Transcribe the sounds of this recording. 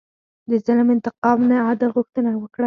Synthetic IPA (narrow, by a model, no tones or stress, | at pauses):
d̪əzalmɪnt̪ɪqɑmnaɑd̪ɪlɣʊxt̪ənawəkɽa